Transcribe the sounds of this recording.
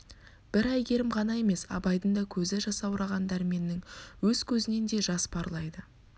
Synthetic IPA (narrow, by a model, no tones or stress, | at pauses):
b̥ɪɾɑjɡʲe̞ɾɪmʁɑnɑje̞me̞sɑ̰bɑjd̪ənd̪ɑkʲʰɵzɪʒɑsɑwʊɾɑʁɑnd̪ɑɾme̞nːɪŋwɵz̥kʲʰɵzɪne̞nd̪e̞ʒɑspʰɑɾlˠɑjd̪ə